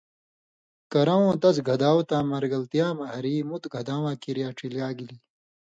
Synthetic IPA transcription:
kɐɾãwõːt̪ɐsɡʱɐd̪aːwt̪ãːmɐɾɡɐlt̪ijaːmɐɦɐɾiːmut̪ɡʱɐd̪ãːwãːkiɾjaːʈ͡ʂʰiljaːɡiliː

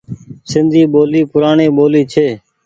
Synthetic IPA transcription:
sɪnd̪ʱiːɓoːliːpʊɾaːɳeːɓoːliːt͡ʃʰeː

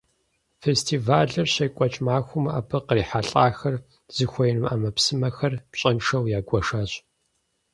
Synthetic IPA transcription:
festʰiːvaːɮɐrɕɐjkʷʼɔt͡ʃʼmaːxʷʊma̰ːbʰɐqəriːħaɬʼaːxɐr | z̥ɨxʷɔjnɨma̰ːmɐpsɨmɐxɐrpɕʼɐnʂɐwjaːɡʷʼɔʂaːɕʼ

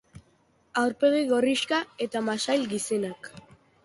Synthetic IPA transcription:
awɾpe̞ɣiɣo̞riskae̞t̪amasajlɡise̞nak

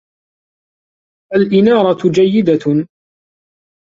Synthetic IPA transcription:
ʔalʔɪnɑːɾˤɑt̪d͡ʒajːɪd̪a

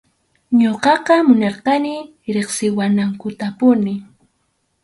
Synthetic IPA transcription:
ɲoqɑqɑmʊnɑɾqɑnɪ | ɾeχsɪwanaŋkʊt̪apʊnɪ

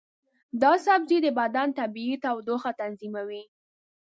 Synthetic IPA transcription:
d̪ɑsabzid̪əbad̪ant̪abiit̪awd̪oxat̪anzimawi

